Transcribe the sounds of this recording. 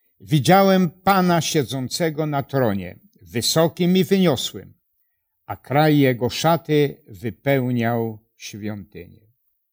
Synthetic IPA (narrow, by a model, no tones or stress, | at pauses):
vʲid͡ʑawɛmpanaɕɛd̪zɔnt̪sɛɡɔnat̪ɾɔɲɛ̰ | vɘsɔkʲimivɘɲɔswɛ̰m | akɾajːɛɡɔʂat̪ɪvɘpɛwɲaw | ɕfʲjɔnt̪ɘ̰ɲɛ